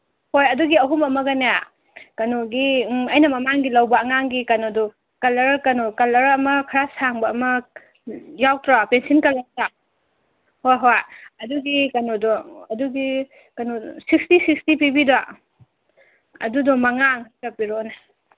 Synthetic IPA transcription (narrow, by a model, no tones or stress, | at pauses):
hojɐduɡiɐɦumɐmɐɡɐneja | kɐnɔɡiɐjnɐmɐmaŋɡilɐwbɐːŋaŋɡikɐnodɔ | kɐlɐɾkɐnɔkɐlɐɾɐmɐkʰɐɾasaŋbɐːmɐ | jawtɾapensinkɐlɐɾta | hojɦojɐduɡikɐnɔdɔɐduɡi | kɐnosikstisik̚stipibidɔa | ɐ̰dudɔmɐŋaŋɦajkɐpiɾona